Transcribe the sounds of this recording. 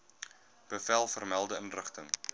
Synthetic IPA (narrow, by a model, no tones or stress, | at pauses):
b̥əfælˠfərmælˠdəənrəχtəŋ